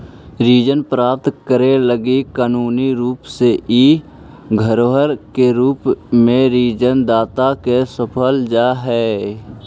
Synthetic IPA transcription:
ɾiːd͡ʒənpɾaːp̚t̪kəɾeləɡikaːnuːniɾuːpseʔi | ɡʱəɾoɦəɾkeɾuːpmẽɾiːd͡ʒənd̪aːt̪akesəpʰəld͡ʒaːɦɛː

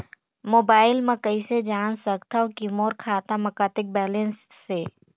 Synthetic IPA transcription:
moːbaːɪlmãkəised͡ʒaːnsəkt̪aokimoːɾkʰaːt̪amɐkaːt̪ɪk̚bɛːlẽnsːeː

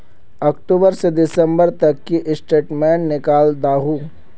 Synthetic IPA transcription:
ɔːkʈuːbəɾsed̪ɪsə̃mbəɾt̪ɐkːiʔɪsʈeːʈmɛːnːɪkaːld̪aːɦuː

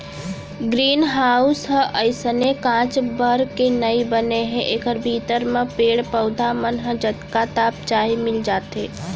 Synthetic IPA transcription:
ɡɾiːnɦaːʊsɦə̃ʔəɪsənekãːt͡ʃbəɾkenəibəneɦɛ̃ʔeːkəɾbʱiːt̪əɾmẽpeːɽpəʊd̪ʱamənɦə̃d͡ʒət̪kat̪aːp̚t͡ʃaːimɪld͡ʒaːt̪eː

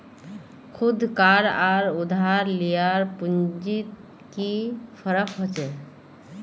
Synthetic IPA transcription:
kʰʊd̪ʱkaɾaɾud̪ʱaɾlijaɾpund͡ʒit̪̚ | kipʰəɾəkɦot͡ʃɛ

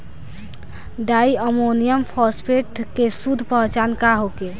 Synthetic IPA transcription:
ɖajəmonijəmpʰɔspʰeʈkesud̪ʱpəɦt͡ʃankaɦoke

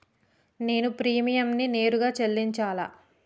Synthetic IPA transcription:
ne̞ːnupɾiːmijɐmnine̞ːɾuɡaːt͡ʃelːiɲt͡ʃaːla̰ː

